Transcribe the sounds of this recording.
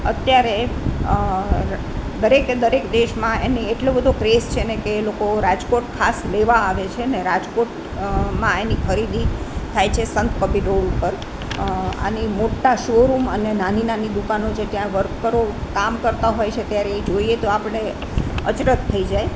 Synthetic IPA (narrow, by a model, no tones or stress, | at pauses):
ət̪jaɾe | d̪əɾekd̪əɾekd̪eʃmãenieʈlobəd̪ʱokɾest͡ʃʰenekelokoɾad͡ʒkoʈkʰasleʋaːʋet͡ʃʰeneɾad͡ʒkoʈ | mãenikʰəɾid̪it̪ʰajt͡ʃʰesənt̪kəpiʈolupəɾ | a̰nimoʈːaʃoɾumənenaninanid̪ukanot͡ʃʰet̪jãʋəɾkkəɾokamkəɾt̪aɦojt͡ʃʰet̪jaɾeːd͡ʒoiet̪oapəɳe | ə̰t͡ʃɾət̪ʰːəid͡ʒaj